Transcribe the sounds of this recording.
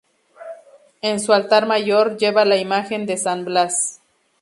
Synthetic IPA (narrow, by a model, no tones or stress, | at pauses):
ensualt̪aɾmaʝoɾd͡ʒe̞βalaimaxe̞nd̪e̞sanblas